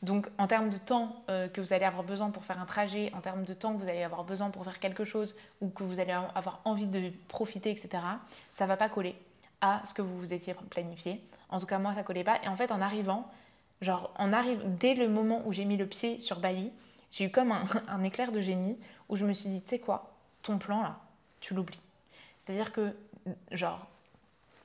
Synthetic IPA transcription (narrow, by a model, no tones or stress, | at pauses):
d̪ɔ̃kɑ̃t̪ɛʁməd̪ət̪ɑ̃økəvuzaleavwaʁbəzwɛ̃puʁfɛʁɛ̃t̪χaʒɛʔɑ̃t̪ɛʁmd̪ət̪ɑ̃kvuzaleavwaʁbəzwɛ̃puʁfɛʁkʲɛlkəʃoz | ukəvuzaleavwaʁɑ̃vid̪əpχɔfit̪eɛkset̪eʁasavapakɔle | asə̥kəvuuzet̪jeplanifjeɑ̃t̪ukamwasakɔlepaʔḛɑ̃fɛt̪ɑ̃naʁivɑ̃ | ʒɑ̃ʁɑ̰̃naʁivd̪ɛləmɔmɑ̃ʔuʒemiləpjesyʁbaliʒ̥eykɔmɛ̃ɛ̃neklɛʁd̪əʒeniuʒəməsɥid̪isɛkwa | t̪ɔ̃plɑ̃la | t̪ʰylubli | se̥t̪ad̪iʁkə | ʒɑ̃ːʁ